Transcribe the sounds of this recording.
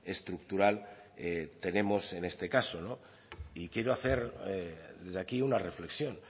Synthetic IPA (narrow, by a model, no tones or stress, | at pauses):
est̪ɾuk̚t̪uɾal | et̪e̞ne̞mo̞se̞ne̞st̪e̞kasono̞ | ikje̞ɾoaθe̞ɾ | ðe̞zðakiunare̞fle̞ksjo̞n